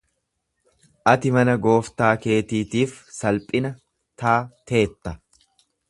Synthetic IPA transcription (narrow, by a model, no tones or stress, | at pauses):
ʔɐt̪ɪmɐnɐɡo̞ːft̪aːke̞ːt̪iːt̪iːfsɐlpʼɪnɐ | t̪aːt̪ʰe̞ːt̪ːɐ